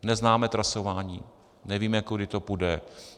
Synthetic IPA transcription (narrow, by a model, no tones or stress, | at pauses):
nɛznaːmɛt̪ɾasovaːɲiː | nɛviːmɛkudɪt̪opudɛ